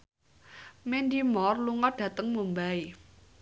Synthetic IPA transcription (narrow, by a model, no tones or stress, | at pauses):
mendimɔrluŋɔɖ̥ä̤t̪əŋmumbai